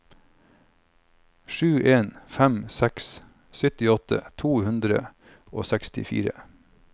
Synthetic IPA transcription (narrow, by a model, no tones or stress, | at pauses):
ʃʉːʔeːnfæmsɛks | sʏt̪ɪɔt̪ə̰t̪ʰuːhʉnd̪ɾə̰ | ʔo̰ːsækst̪ɪ̰fḭːɾə